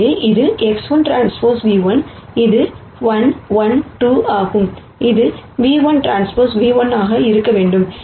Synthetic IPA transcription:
eːʔɪðɯʔɛksʋɐnʈɾaːnspoːɾsʋiːʋɐnɪðɯ | ʋɐnʋɐnʈuːʔaːɣɯm | ɪðɯʋiːʋɐnʈɾaːnspoːɾsʋiːʋɐnaːɣɐɪɾɯkːɐʋeːɳɖɯm

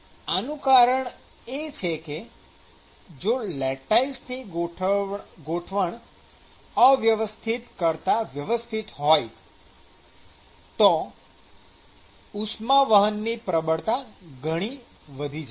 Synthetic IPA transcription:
anũkaɾəɳ | et͡ʃʰeke | d͡ʒolɛʈaisni | ɡoʈʰʋəɳ | əʋjəʋəst̪ʰit̪kəɾt̪aʋjəʋəst̪ʰit̪ɦɔj | t̪o | usmaʋəɦənːipɾəbəɽt̪aɡʱəɽ̃i | ʋəd̪ʱid͡ʒ

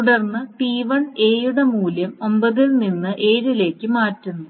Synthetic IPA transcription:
t̪uɽɐrnːɨʈiːʋɐɳe̞ːjuɽemuːljɐmo̞mbɐðilninːɨʔe̞ːɾile̞ːkʲːɨmaːtːunːu

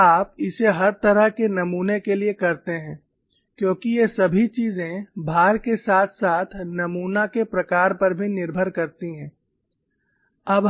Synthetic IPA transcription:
aːpɪseɦɐɾt̪ɐɾəɦkenɐmuːnekeliekɐɾt̪eɦɛ̃ː | kjõːkijesɐbʱit͡ʃiːzẽbʱaːɾkesaːt̪ʰsaːt̪ʰnɐmuːnakepɾɐkaːɾpɐɾbʱinɪɾbʱəɾkɐɾt̪iɦɛ̃ː | ɐb

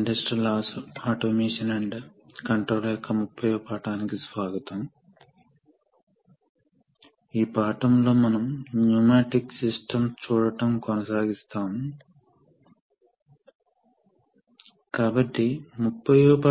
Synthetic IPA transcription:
ɳɖɐsʈɾilaːsuaːʈoːmeːʂɐneɳɖ | kɐɳʈɾoːljɔkːɐmupʰːɐjoːpaːʈaːnikisʋaːɡɐt̪ɐm | iːpaːʈɐmlo̞ːmɐnɐmnuːmaːʈiksisʈɐmt͡ʃuːɽɐʈɐmkɔnɐsaːɡist̪aːmu | kaːbɐʈːimupʰːɐjopː

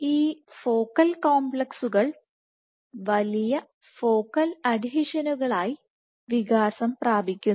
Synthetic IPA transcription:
iːfoːkːɐlkoːmbɭɐksuɣɐɭ | ʋɐlijɐ | fo̞ːkːɐlɐd̪ʱiɕɐnuɣɐɭaːji | ʋiɣaːsɐmpraːbʱikʲːun

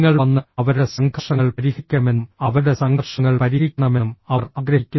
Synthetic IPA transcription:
ŋːɐɭɐnːɐɐʋɐɾuɽe̞sɐŋɡʱɐʂɐŋːɐɭpɐɾiɣikʲːɐmenːmɐʋɐuɽe̞sɐŋɡʱɐrʂɐŋːɐɭpɐɾiikʲːɐɳɐmemɐɐrɐɡɾɐɦikʲːu

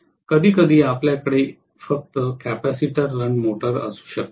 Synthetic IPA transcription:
kəd̪ʱiːkəd̪ʱiːapljakəɽe | fək̚t̪əkæpæsiʈəɾːəɳɖmoʈəɾə̰su̥ːɕək̚t̪

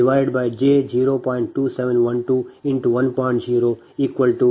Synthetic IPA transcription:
ɪʋaɪɖbaɪd͡ʒeːd͡ʒiːɾopɔ̃ɪ̃ɳʈːuːsɛʋə̃nʋɐ̃nʈuɪ̃nʈuʋɐ̃npɔ̃ɪ̃ɳʈziːɾo | iːkʋəlʈu

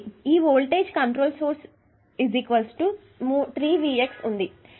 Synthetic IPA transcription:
iːʋoːlʈeːd͡ʒkɐɳʈɾoːlsoːɾs | izikʋɐlsʈu | muːt̪ɾiːʋiːeksund̪i

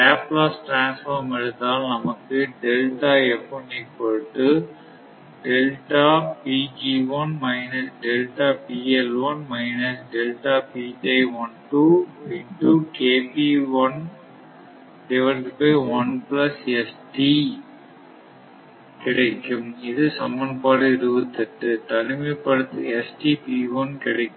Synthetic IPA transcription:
aːpːlaːsʈɾaːnsfɐɾmɛɽɯt̪ːaːlnɐmɐkːɯɖɛlʈaːɛpːonɛpːoɾʈːɯ | ɖɛlʈaːpiːd͡ʒiʋɐnmɐɪnɐsɖɛlʈaːpiːɛlʋɐnmɐɪnɐsɖɛlʈaːpiːtɐɪʋɐnʈuɪnʈuːkeːpiʋɐn | ɖɪʋɐlpːɐʋɐnplɐsɛsʈi | kɪɽɐɪkːɯmɪðɯsɐmɐnpaːɽɯɪɾɯʋɯt̪ːɐʈːɯt̪ɐnɯmɐpːɐɽɯt̪ːɯɛsʈipiːʋɐnkɪɽɐɪkːɯm

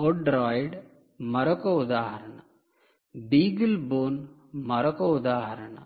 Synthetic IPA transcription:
oɖɾaːjɖ | mɐɾɐkoud̪aːhɐɾɐɳɐ̰ | biːɡɐlboːn | mɐɾɐkoud̪aːhɐɾɐɳɐ̰

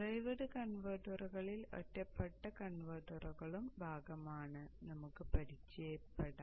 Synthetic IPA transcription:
rɐjʋɐɽɨkɐɳʋɐːʈːɐruɣɐɭilo̰tːɐpːɐʈːɐkɐɳʋɐːʈːɐruɣɐɭumbʱaːɡɐmaːɳɨnɐmukːɨpɐɽit͡ɕːejɐpːeɽɐ

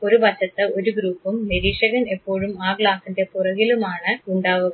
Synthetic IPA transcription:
o̞ɾubɐt͡ɕːɐt̪ːɨo̞ɾuɡɾuːpːumneɾiːʂɐɣɐne̞pːo̞ːɻumaːɡɭaːsinde̞purɐɣilumaːɳɨuɳɖaːʋuɣɐ

